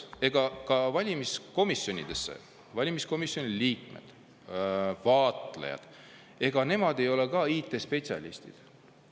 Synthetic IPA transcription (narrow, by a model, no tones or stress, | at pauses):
e̞ɡ̥ɑkɑvɑlʲimisko̞misjo̞nʲḭd̪̥e̞sːḛ | vɑlʲimisko̞misjo̞nʲiliːkme̞̰d̪̥ | vɑːt̪ˑlḛjɑ̰d̪̥ | e̞ɡ̥ɑne̞mɑd̪e̞jo̞le̞kɑiːt̪ːˑe̞spe̞t̪sʲiɑ̰lʲḭst̪id̪̥